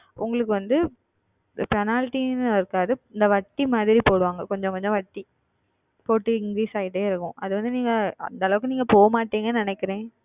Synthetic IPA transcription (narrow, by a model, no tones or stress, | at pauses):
ʔʊ̰ŋɡɐɭɯk̬ːɯʋɐnd̪ɯ | pɛnaːlʈinɯɪɾɯkːaːðɯɪnd̪ɐʋɐʈːimaːðɪɾipoːɽɯʋaːŋɡɐkɔɲd͡ʒɔ̃ŋkɔɲd͡ʒɔ̃ʋɐʈːi | poːʈːɯɪŋɡɪɾiːsaːjɪʈ̬ːeɪɾɯkːʊ̃ʔɐðɯʋɐnd̪ɯniːŋɡɐɐ̰nd̪ɐlɐʋɯkːɯniːŋɡɐpoːɐmaːʈːiːŋɡɐnnɪnɛkːɪɾẽː